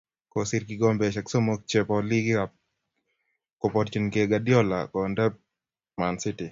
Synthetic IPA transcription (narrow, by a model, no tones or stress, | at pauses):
kosiɾkiɡɔmbɛʃaksomok̚t͡ʃepɔliɡɪa | kɔpɔɾt͡ʃinkeɡadjɔla̰kɔndɛp̚ | mansɪtɪ